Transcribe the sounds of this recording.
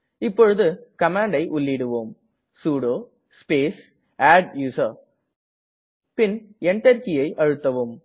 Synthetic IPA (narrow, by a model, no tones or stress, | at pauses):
ɪpːɔɻɯðɯkɐmaːɳɖɐɪʔʊɭːɪɽɯʋoːm | suːɽoː | speːs | aːɖjuːsɐ | pɪnɛɳʈːɐɾkɪjɐɪʔɐɻɯt̪ːɐʋɯm